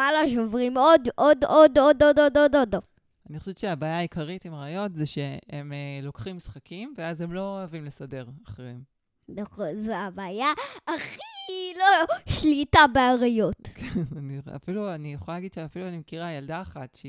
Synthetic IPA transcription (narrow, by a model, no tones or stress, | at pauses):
maloʃovʁimod̪ʔodododododod̪odo | aniχoʃevʃeabaːjaːikʰaʁitimʁaajo̞tzeʃeemelo̞kχimsχakimveazemlo̞avimlesade̞ʁaχʁeem | ozeabaːjaːχiloʃlitabeaʁajo̞tkʰenania̰filuanijeχolalaɡid̪ʃeafiluanimekiʁajaldaːχatʃe